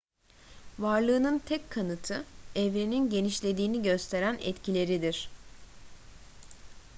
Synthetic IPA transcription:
vaɾlˠɯːnɯnt̪ʰɛckʰːanɯt̪ʰɯɛvɾininɟe̞niʃlʲe̞d̪iːniɟø̞st̪ʰe̞ɾænɛ̰t̪cʰilʲe̞ɾid̪iɾ̥

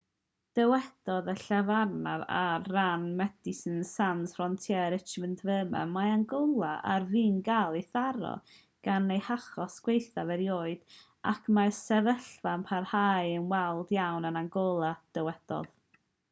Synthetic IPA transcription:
d̥əwɛd̥ɔðəɬavarnaɾa̰rranmɛdisənsansfrɔntʰjɛɾɪt͡ʃməndvəːmɛ̰maanɡɔlˠaʔa̰rviːnɡalˠiθaɾɔ̰ | ɡ̥anːejhaχɔsɡ̥wejθavɛɾjoːɨd̥ | ʔa̰kʰmasɛvəɬvanpʰarhajənwɛlˠdjawnənaŋɡɔlˠad̥əwɛd̥ɔ̰ð

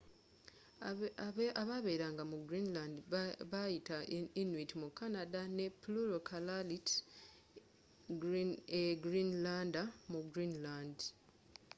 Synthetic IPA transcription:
aβaβe̞ːɾaːŋɡamuɡɾinlaːndiβajitainwitimukːanadane̞puluɾokʰalalit | eɡɾinlaːndamuɡɾiːnlaːnd

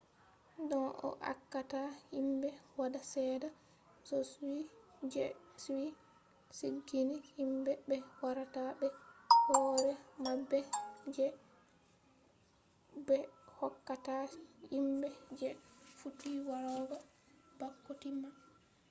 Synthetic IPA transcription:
dɔnʔɔ̰ʔa̰kːatahimbɛwadasɛːda | sɔswid͡ʒɛswi | siɡːinihimbɛbɛwaɾatabɛhɔːɾɛmabːɛd͡ʒɛ | bɛhɔkːatahimbɛd͡ʒɛfutiwaɾɔɡa | bakːotima

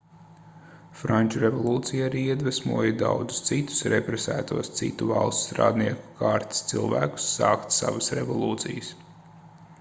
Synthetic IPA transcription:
fɾanʲt͡ʃuɾevɔlˠuːt̪sijaaɾiːiɛd̪væsmuɔjid̪a̰wd̪zu̥st̪sit̪u̥sɾepɾɛsæːt̪uɔst̪sit̪ːuva̰lˠst̪st̪ɾa̰ːd̪niɛku̥kʰaːɾt̪i̥st̪silˠvæ̰ːku̥sːɑːkt̪sa̰vasɾevɔlˠuːt̪sijəs

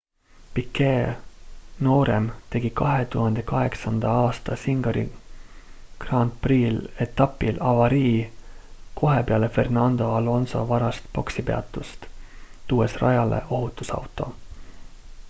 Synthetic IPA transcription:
pikːe | no̞ːɾḛmt̪e̞ɡ̥ikɑɦet̪uhɑnd̪̥e̞kɑɦe̞ksɑnd̪̥ɑɑːst̪ɑsiŋɡ̥ɑɾḭ | krɑnt̪priːle̞t̪ːˑɑpːilɑvɑɾiː | ko̞ɦepeɑle̞fe̞rnɑnd̪o̞ɑlo̞nso̞̰vɑɾɑst̪po̞ksipeɑ̰t̪ːˑust̪t̪uːesrɑjɑlḛʔo̞ɦut̪ːˑusɑ̰wt̪ˑo̞̰

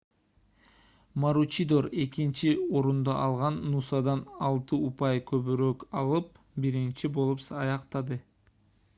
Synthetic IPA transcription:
maɾut͡ʃid̪o̞ɾe̞kint͡ʃio̞ɾund̪ɑʔɑlˠʁɑnːusɑd̪ɑnɑlˠt̪ɯupɑjkʰøβyɾøkɑlˠɯp̚ | biɾint͡ʃibo̞lˠupsɑjɑqt̪ɑd̪ɯ

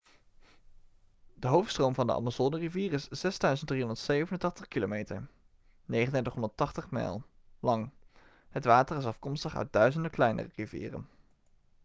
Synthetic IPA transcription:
dəɦowftstrowmvɑndə̰ʔɑ̰mazodəriviːrɪsz̥ɛzdœɥzənt̚driɦɔndəɹtsejvənəntɑχtəχkilo̰mejtə̰ɹ | nejχəndɛtəχɦɔndəɹtɑχtəχmɛ̰lˠ | lɑŋ | hətʋaːtərɪsɑfkɔmstəχœ̰ɥt̚dœɥzəndəklɛjnʔə̰rərivḭːrə̰n

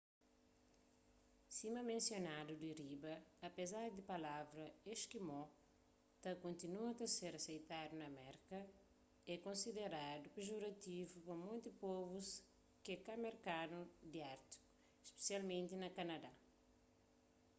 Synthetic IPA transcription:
simɐmẽnsjonad̪ud̪iɾibɐːpezaɾd̪ipɐlavɾɐeʃkimɔ | t̪ɐkõnt̪inuɐt̪ɐseɾɐsejt̪ad̪unɐmɛɾkɐ | ɛkõnsid̪eɾad̪upeʒoɾɐt̪ivupɐmõjt̪ipɔvus | kekameɾkanud̪iaɾt̪i̥ku̥ | ʃpe̥sialmẽnt̪inɐkɐnɐd̪a

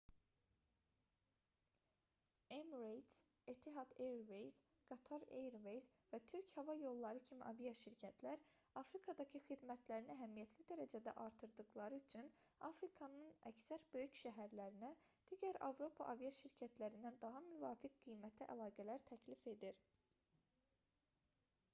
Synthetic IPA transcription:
emɾejt̪s | et̪ʰiɦɑd̪eɾvejz | ɡ̥ɑt̪ʰɑɾḛjɾvejzvæt̪ʰyɾchɑvɑjo̞lˠːɑɾɯcʰimiʔɑvijɑʃiɾcʰæt̪ʰlæɾɑfɾikʰɑd̪ɑcʰɯxid̪mæt̪ʰlæɾinæɦæmijæt̪ʰlid̪æɾæd͡ʒæd̪æ̰ʔɑɾt̪ʰɯɾd̪ɯɣlˠɑɾɯyt͡ʃʰynɑfɾikʰɑnɯnæ̰csæɾbø̞jycʃæɦæɾlæɾinæd̪̥iːɟæɾɑ̰vɾo̞pʰɑʔɑvijɑʃiɾcʰæt̪ʰlæɾind̪ænd̪ɑɦɑmyvɑːfik̚ɡijmæt̪ʰiʔæ̰lɑːɡælæɾt̪ʰæcʰlife̞d̪iɾ

